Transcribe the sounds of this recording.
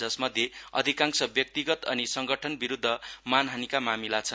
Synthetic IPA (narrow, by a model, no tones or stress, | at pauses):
ʌsmʌd̪ʱjeʌ̰d̪ʱikaŋsʌbjʌk̚t̪iɡʌt̪ʌnisʌŋɡʌʈʰʌnbiɾud̪ʱːʌmanɦanikamamilat͡sʰʌn